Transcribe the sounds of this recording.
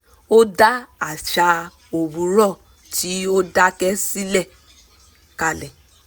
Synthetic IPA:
o˦da˦a˨ʃa˧ | o˨bũ˨˦ɾɔ˦˨ | tʰi˨˦o˦da˦kɛ˦si˦lɛ˦˨ | ka˦˨lɛ˨

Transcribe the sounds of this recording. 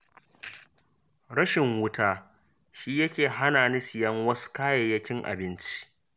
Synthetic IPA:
ɽɐ˦ʃɪ˨ŋwʊ˦taː˦ | ʃiː˦jɐ˦kʲeː˨ɦa˦naː˨nɪ˦sɪ˨jɐ˦ŋwɐ˦su̥˦kaː˦je˨jɐ˦kʲɪ˦ŋʔa̰˨bɪ˦nt͡ʃi̥˦ʔ

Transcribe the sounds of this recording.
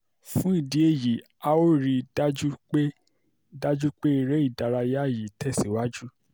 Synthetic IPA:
fũ˨˦i˦˨di˨˦e˧˨ji˨ | a˨o˦ɾi˧da˦d͡ʒu˦k͡pe˦ | da˦d͡ʒu˦k͡pe˦i˦˨ɾɛ˨˦i˦˨da˨ɾa˧ja˦˨ji˨tʰɛ˦˨si˨wa˦d͡ʒu˦

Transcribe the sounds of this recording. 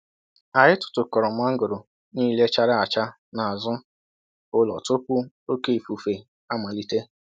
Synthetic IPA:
a˨ɦɪ˦tʊ̥˨tʊ˨kɔ˨ɾɔ˨m̩˦a˦ŋ̩˦ɡʊ˨ɾʊ˨ | ni˦le˦t͡ʃa˦ɾa˦a˨t͡ʃa˦ | na˨a˨zʊ˦ | ʊ˦lɔ̰˨tʊ˦pʷʊ˦ | o˦ke˦˨fu˨fe˨ | a˦ma˨li˦te˦

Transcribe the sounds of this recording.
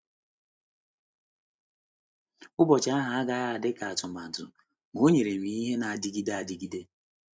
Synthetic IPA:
ʊ˦bɔ˨t͡ʃa˦a˦ɦa˨a˦ɡa˦a˦a˨dɪ˦ka˨a˨tʊ˨ma˨dʊ̰˨ | ŋo˦ɲe˨ɾe˨mi˨i˦ɦe˦na˨a˨dɪ˦ɡi˦da˦a˨dɪ˦ɡi˦de˦

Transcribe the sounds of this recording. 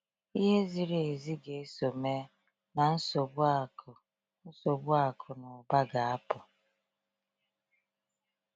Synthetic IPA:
i˦ɦe˦zi˨ɾe˨e˨zi˦ɡe˨e˦so˨me˦ | na˨n̩˦so˨b | n̩˦so˨bʊ˦a˨kʰʊ˨nʊ˨ba˦ɡa˨a˦pʊ˨

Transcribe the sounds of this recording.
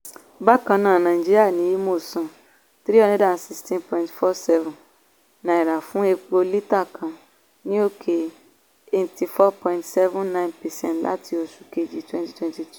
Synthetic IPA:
ba˦kã˧nãː˦˨nã˨ĩ˨d͡ʒi˦ɾi˦a˦˨nĩ˨˦ji˦mo˦˨sɔ̃˨ | t̪ɾi˦ɔ̃˦nɛ˦da˦˨n˨si˦stĩ˦npɔ̃˨ĩntfɔ˦sɛ˦vũ˨n | nã˨i˨ɾa˨fũ˦e˧k͡po˧li˦ta˦˨kʰã˨ | nĩ˦o˦kʰe˧ | e˨ti˨fɔ˦pɔ̃˧ĩntsɛ˦vũ˦nnã˦j̃npɛ˨sɛ̰̃˦ntlʔa̰˦tʰi˧o˧su˨ke˧˨d͡ʒi˨twɛ̃˦nti̥˨twɛ̃˨nti˨t

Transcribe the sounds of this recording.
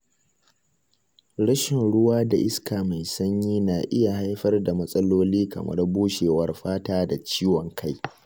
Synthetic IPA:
ɽɐ˦ʃɪ˨nɽʊ˦waː˦da˨ʔɪ˦skaː˨ma˨jsɐ˦ɲjiː˦naː˨ʔɪ˦ja˨ha˦jɸɐ˦rda˨mɐ˦sʼɐ˦loː˦liː˦kɐ̰˨mɐ̰˦rbuː˦ʃeː˨wɐ˦rɸaː˦taː˦da˨t͡ʃiː˦wɔ˨ŋkʰa˦j

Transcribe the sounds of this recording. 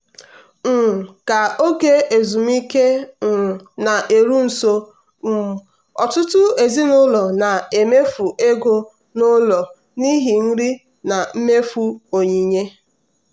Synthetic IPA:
m̩˨ka˨o˦ke˦e˨zu˨m̩˦i˦ke˦˨ | na˨ʔe˨ɾu˦n̩˨so˦ | m̩˦ | ɔ̰˨tʊ˦tʊ˦e˨zi˦nʊ˦lɔ˨na˨e˨me˦fu˨ʔe˦ɡo˦ | nʊ˦lɔ˨ | ni˦ɦi˨n̩˦ɾi˦ | na˨m̩˦me˦fu˦o˨ɲi˨ɲe˦

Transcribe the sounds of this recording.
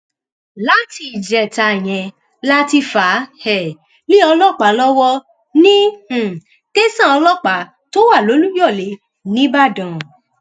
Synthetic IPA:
la˦ti˧˨d͡ʒɛ˨ta˧˨j̃ɛ̃˧ | la˦ti˧fa˨˦hɛ˨ | li˦ɔ˧lɔ˦˨k͡pa˨˦lɔ˦wɔ˦ | nĩ˦˨ | ke˦sã˦˨ɔ˧lɔ˦˨k͡pa˨˦ | to˦wa˦˨lo˨˦lu˦jɔ˦˨le˨˦ | nĩ˦ba˦˨dã˨

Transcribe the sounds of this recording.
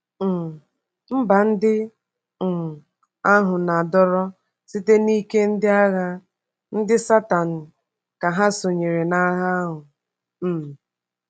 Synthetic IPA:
m̩˦ba˨n̩˦dɪ˦˨ | a˦ɦʊ˨na˨dɔ˦ɾɔ˦ | si˦te˦ni˦ke˦n̩˦dɪ˦a˦ɣa˦ | n̩˦dɪ˦sa˦ta˨n̩˨ | ka˨ɦa˦so˨ɲe˨ɾe˨na˦ɣa˦ɦʊ˨ | m̩˨

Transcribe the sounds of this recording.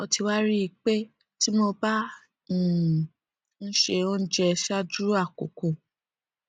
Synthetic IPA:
ɔ˧ti˧wa˦ɾi˦i˧k͡pe˦ | ti˦mo˧ba˦˨ | n̩˦ʃe˧o˦d͡ʒɛ˧ʃa˦d͡ʒu˦a˦˨ko̰˨ko˨

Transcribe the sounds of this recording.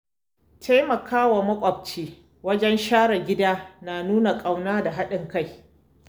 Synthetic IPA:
tʰa˦jmɐ˨kaː˦wa˨mɐ˦kʷʼɐ˨b̚t͡ʃiː˦ | wɐ˦d͡ʒɛ˦nʃaː˦ɽɐ˨ɡʲɪ˦daː˦naː˨nuː˦na˨kʼa˨wnaː˦da˨ɦa˦ɗɪ˨ŋka˦˨j

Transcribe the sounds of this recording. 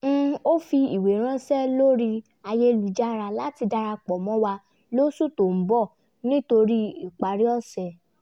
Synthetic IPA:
o˦fi˧i˨we˨ɾ̃ã˦sɛ˦lo˦ɾi˧ | a˧je˦˧lu˨d͡ʒa˦ɾa˧la˨˦ti˧da˧ɾa˧k͡pɔ˨mɔ̃˨˦wa˧ | lo˦su˦to˨m̩˨˦bɔ˦˨ | nĩ˦to˧ɾi˦i˨k͡pa˨ɾi˦ɔ˦˨sɛ˨

